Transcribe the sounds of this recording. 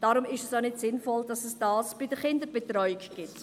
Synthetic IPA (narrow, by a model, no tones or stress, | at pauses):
d̥ɑːɾʊmɪʃɛsanɪtsɪnfɔld̥ɑsɛsd̥ɑːsb̥idəχɪndəɾbetɾɔʏɪkɡ̥ɪt